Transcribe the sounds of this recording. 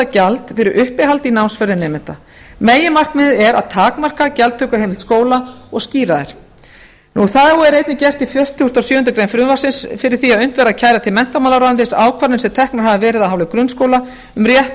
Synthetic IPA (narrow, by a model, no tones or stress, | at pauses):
acalt̪fɪɾɪɾʔʏhpɪhalt̪inawnsfœɾðɪnɛːmɪnt̪a | meːjɪmar̥kmɪɛɾa̰ðt̪ʰaːkmar̥kacɛlt̪t̪ʰœkʏɦejmɪlt̪skoːwlaɔɣsciːɾaðɪɾ̥ | nuθaðɔɛɾejt̪̚nɪcɛr̥t̪ifjœr̥t̪ʰɪhust̪ɔsjʏːhʏnt̪̬ʏkɾejnfɾʏvasɪnsfɪɾɪ̥θiaðʏn̥t̪vɛːɾaðcʰaːjɾat̪ʰɪlmɛn̥t̪amaːlaɾant̪ɪsaːwkʰvaɾnɪnsɛmt̪ʰɛhknaɾ̥havɪvɛːɾɪðaðɦawlɪkɾʏnskoːwla | ʏmrjɛht̪